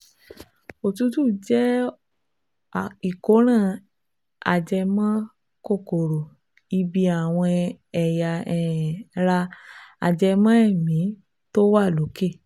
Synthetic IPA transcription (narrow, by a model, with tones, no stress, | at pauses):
o˨tu˨˧˦tu˦˨d͡ʒɛ˦˨ | i˨ko˨˦ɾ̃ã˦˨ | a̰˨d͡ʒɛ˧mã˦ | ko˦˨ko˨ɾo˨ | i˧bi˧a˨w̃ɔ̃˧ɛ˨ja˧ɛ˦˨ɾa˧a̰˨d͡ʒɛ˧mã˦ɛ˦˨mĩ˨˦ | to˦wa˦˨lo˨˦ke˦˨